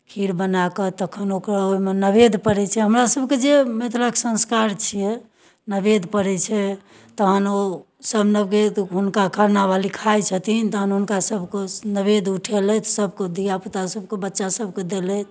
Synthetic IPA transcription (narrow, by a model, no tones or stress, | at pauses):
kʰiɾbənakət̪əkʰənokɾaojmenəbed̪ʱpəɾɛt͡ʃʰɛɦəmɾasəbked͡ʒemet̪ɾaksə̃nskaɾt͡ʃʰijɛ | nəbed̪ʱpəɾɛt͡ʃʰɛ | t̪əɦəno | səbʱnəbkeɦunkakʰaɾnabalikʰajt͡ʃʰət̪int̪əɦənɦunkasəbʱkenəβed̪uʈʰelɛt̪səbʱked̪ijaput̪asəb̚kebətːʃasəb̚ʱked̪elɛt̪ʰ